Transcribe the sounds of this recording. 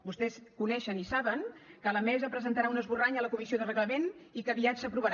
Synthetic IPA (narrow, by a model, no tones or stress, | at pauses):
bust̪ɛskunɛʃənisaβəŋkələmɛzəpɾəzənt̪əɾaunəzβuraɲələkumisioðərəɣləmenikəβiad͡ʒəpɾuβəɾ